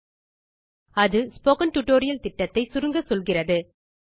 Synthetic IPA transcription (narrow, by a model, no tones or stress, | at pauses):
ɐðɯspoːkɐnʈʊʈoːɾɪjɐlt̪ɪʈːɐt̪ːɐɪsʊɾɯŋɡɐsɔlɣɪrɐðɯ